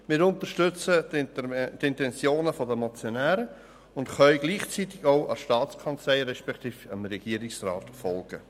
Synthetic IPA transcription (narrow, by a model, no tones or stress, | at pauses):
mɪːɾʊnt̪əɾʃtʏt͡sə | tɪnt̪ɛnt͡sjoːnəfɔdəmat͡sjonæːɾə | ʊntχœʏɡliːχt͡sit̪ɪɡaʊʔɑ̰ʃtɑːtt͡skʰɑnt͡slaɪɾɛʃpɛkt̪iːfəmɾɛɡ̥iːəɾɪksraːt̪fɔlɡ̥ə